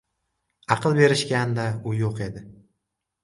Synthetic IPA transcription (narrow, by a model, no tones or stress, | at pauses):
ɑqʰɨlˠbe̞ɾɪʃkʲand̪aʊjoqe̞d̪ɪ